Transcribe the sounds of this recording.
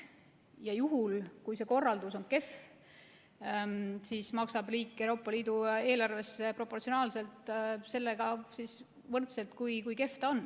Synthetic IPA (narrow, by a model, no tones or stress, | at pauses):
jɑjuɦulkujse̞ko̞rːɑld̪uso̞nke̞f | sismɑksɑb̥liːkːewɾo̞ːpːˑɑliːd̪ue̞ːlɑrve̞sːe̞pro̞pːˑo̞rt̪sio̞nɑːlse̞lt̪se̞lːe̞ɡ̥ɑsis | vɤrt̪se̞lt̪kujkujke̞ft̪ɑo̞nː